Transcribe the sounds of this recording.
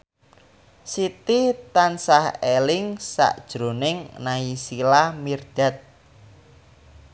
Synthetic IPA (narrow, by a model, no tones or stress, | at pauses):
sit̪it̪ansahelɪŋsa̰ʔd̥ʒ̥ɾo̤nɪŋnaisilahmird̪̥a̤t̪̚